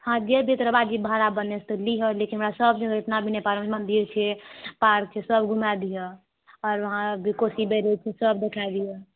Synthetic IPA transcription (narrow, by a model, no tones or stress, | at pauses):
hãd͡ʒebʱit̪ɾəbad͡ʒibʱaɾabənet͡ʃʰt̪ɔliɦəlekinɦmɾasəbd͡ʒeɡeʈ̪nabʱinepaɾəmmənd̪iɾt͡ʃʰɛpaɾk̚t͡ʃʰɛsəbɡʱumad̪ijə | ɔɾʋəɦãbikosibeɾet͡ʃʰɛsəb̚d̪ekʰajd̪ijə